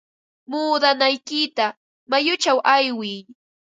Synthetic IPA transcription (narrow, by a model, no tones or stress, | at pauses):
muːd̪anajkɪt̪a | majʊt͡ʃawʔajwɪj